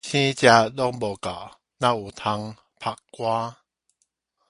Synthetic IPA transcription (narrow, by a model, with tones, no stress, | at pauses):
ɕĩ˦t͡ɕja˧ɗɔ˦ŋbɔ˨ka˨˩w | nã˧u˨˩t̪ʰa˧ŋ | pʰa˧kkːwaː˦